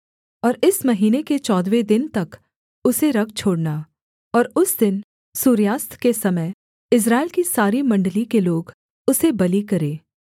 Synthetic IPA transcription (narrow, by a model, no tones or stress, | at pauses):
ɔːɾɪsmɐɦiːneket͡ʃɔːd̪wed̪ɪnt̪ɐk | ʊseɾɐk̚t͡ʃʰoːɽna | ɔːɾʊsd̪ɪn | suːɾjaːst̪ʰkesɐməj | ɪs̬ɾaːɪlkisaːɾimɐ̃ɳɖlikeloːɡ | ʊsebɐlikɐɾẽː